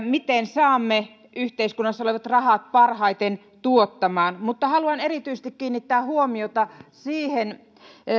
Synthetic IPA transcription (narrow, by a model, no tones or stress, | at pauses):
mit̪ensɑːmːe | yht̪eiskunːɑsːɑoleʋɑt̪rɑhɑt̪̚pɑrhɑit̪en | t̪uot̪ːɑmɑːnmut̪ːɑhɑluɑnerit̪yises̆t̪ikkiːnːit̪ːæːhuomiot̪ɑsiːhen